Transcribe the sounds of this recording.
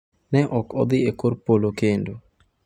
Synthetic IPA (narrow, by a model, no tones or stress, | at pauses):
nɛʔɔkɔd̪ɪekorpolokendo